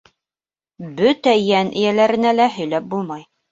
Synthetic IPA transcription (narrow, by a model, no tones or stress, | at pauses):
bɵt̪æjænʔɘ̆jælæɾɘ̆nælæɦɵ̆jlæp̚bulˠmɑj